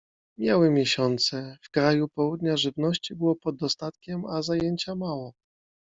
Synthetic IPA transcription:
mʲjawɘmʲjeɕɔnt̪sɛfkɾajupɔwud̪ɲaʐɘvnɔɕt͡ɕibɘwɔpɔd̪ːɔst̪at̪kʲɛmazajeɲt͡ɕamawɔ

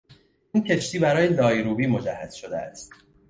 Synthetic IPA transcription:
iːncʰe̞t͡ʃt̪ʰiːbæɾɒːjelɒːjɾuːbiːmo̞d͡ʒæhːæz̥ʃo̞d̪eæ̰st̪

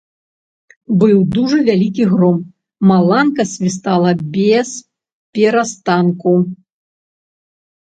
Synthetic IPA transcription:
bɨwd̪uʐɨvʲalʲikʲiɣɾɔm | malˠankɐsʲvʲis̬t̪alˠɐbʲɛs | pʲɛɾast̪anku

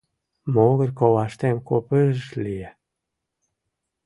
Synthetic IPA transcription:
moɣə̆rkowɑʃt̪emkopəʒʃlije

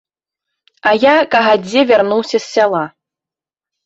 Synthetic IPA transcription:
ajakʼaɦad͡zʲːevʲarnuwsʲɐsʲːalˠa

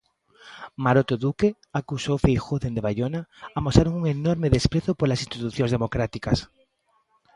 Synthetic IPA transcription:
maɾot̪oðuke | akusowfejxoðend̪eβajʎonaamosaɾoŋuŋenoɾmeðespɾeθopolasĩnst̪it̪uθjõŋzðemokɾat̪ikas

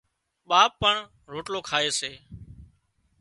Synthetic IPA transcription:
ɓaːpːəɳ | ɾoːʈloːkʰaːeːseː

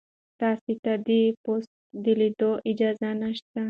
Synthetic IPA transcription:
t̪ɑsit̪ad̪ipost̪d̪ilid̪oʔɪd͡ʒɑzanaʃt̪a

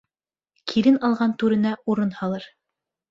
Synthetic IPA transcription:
kʰiɾɘnɑlˠʁɑnt̪ʉɾɘ̆næuɾɤnhɑlˠɤɾ

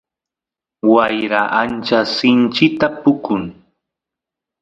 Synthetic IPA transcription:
wajɾaʔant͡ʃasɪnt͡ʃɪkt̪apʊkʊŋ

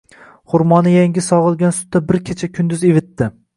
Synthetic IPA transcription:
χʊɾmɒnɪjaŋʲɪsɒʁɨlˠɡʲansʊ̥t̪ʰːabɪɾkʲʰet͡ʃʰakʲʰʊnd̪ʊzevɪt̪ːɪ

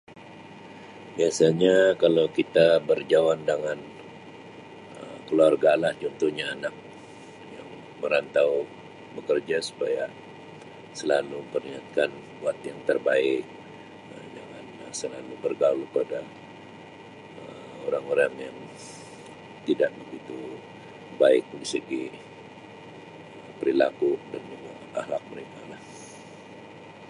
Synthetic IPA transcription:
biasaɲakalawkit̪abərd͡ʒawandəŋan | əkəluarɡalahd͡ʒɔnt̪uhɲaːnak̚ | ja̰ŋ | məɾant̪aw | bəkərd͡ʒasu̥paja | səlalupəriŋat̪̚kan | wat̪̚jaŋt̪ərbaɪk̚ | əd͡ʒaŋanəsəlalubərɡalupada | ə | oɾaŋoɾaŋjaŋ | t̪idaʔbəɡit̪u | baɪk̚disəɡi | əpəɾilakudanəŋa | a̰hlak̚məɾekalah

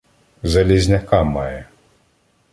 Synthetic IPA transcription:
zɐlʲizʲnʲɐkɑmɑjɛ

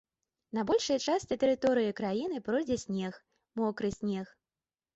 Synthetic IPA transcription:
nɐbɔlʲʂɨjɐt͡ʂasʲt͡sʲɛt̪ɛɾɨt̪ɔɾɨjikɾajin̪ɨpɾɔjd͡zʲɛsʲnʲɛx | mɔkɾɨsʲnʲɛx

